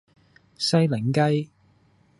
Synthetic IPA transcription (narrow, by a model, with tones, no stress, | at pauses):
sɐ˥jlɪ˨˩ŋkɐ˥j